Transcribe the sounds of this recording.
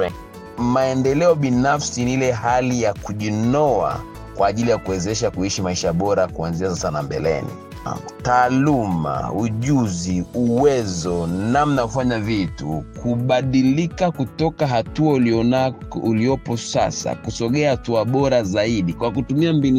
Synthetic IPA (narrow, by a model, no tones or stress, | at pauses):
maɛndɛlɛɔɓinafsinilɛhalijakuʄinɔa̰ | kwaːʄilijakuwɛzɛʃakuiʃimaiʃaɓɔɾakuanzias̬asanambɛ̰lɛ̰nḭ | taːluma̰uʄuziuwɛzɔnamnaufaɲavitṵkʰuɓaɗilikakutɔkaɦatuauliɔnauliɔpɔsa̰sa̰kusɔɠɛahatuaɓɔɾazaiɗikwakutumiambin